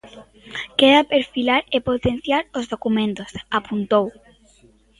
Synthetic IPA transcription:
keðapeɾfilaɾepot̪en̟θjaɾozðokumẽnt̪osapunt̪ow

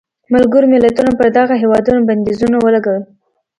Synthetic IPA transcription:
malɡəɾomɪlat̪unapəɾd̪aɣaɦewɑd̪unoband̪izunawəlaɡawəl

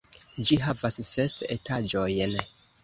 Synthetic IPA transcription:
d͡ʒiɦavassesḛtʰad͡ʒo̞jn

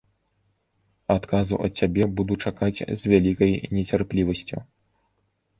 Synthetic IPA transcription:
at̪kazṵʔɐ̰t̪̚t͡sʲːabʲɛbud̪ut͡ʂakat͡sʲzʲvʲalʲikɐjnʲɛt͡sʲarplʲivɐsʲt͡sʲṵ

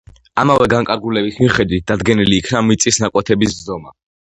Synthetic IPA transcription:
amavɛɡaŋkʼaɾɡulɛbismiχɛd̪wit̪̚d̪ad̪ɡɛniliːkʰnamit̪sʼisnakʼwɛt̪ʰɛbiszɔma

